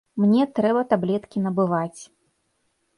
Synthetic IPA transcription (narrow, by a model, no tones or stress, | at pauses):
mnʲɛt̪ɾɛbɐt̪ablʲɛt̪kʲinɐbɨvat͡sʲ